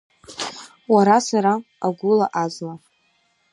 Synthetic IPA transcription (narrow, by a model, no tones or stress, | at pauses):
waɾasaɾaː | ɡʷʊlaʔazla